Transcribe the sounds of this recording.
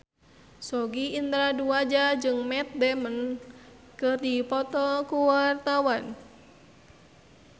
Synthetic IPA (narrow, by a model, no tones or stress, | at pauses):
sɔɡiːnt̪ɾaduad͡ʒad͡ʒɨŋmɛt̪̚dɛmən | kɨrdipɔt̪ɔkuwart̪awan